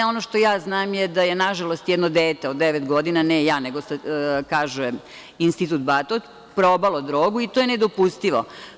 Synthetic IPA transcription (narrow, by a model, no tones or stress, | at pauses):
o̞noʃt̪o̞jaːznaːmjed̪ajenaʒalˠost̪jɛd̪nod̪eːt̪eod̪ːeʋet̪ɡo̞d̪inanɛjaːneɡosakaːʒɛ | inst̪it̪ut̪̚bat̪ot̪ | pɾobalod̪ɾoːɡuit̪ojened̪opust̪iʋo̰